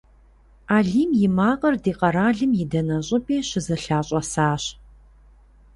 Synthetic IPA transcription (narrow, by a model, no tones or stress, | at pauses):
aːɮiːmjɪmaːqɐrdiːqɐɾaːɮɨmjɪdɐnɐɕʼʊpʰʼeːɕɪzɐɬaːɕʼɐsaːɕ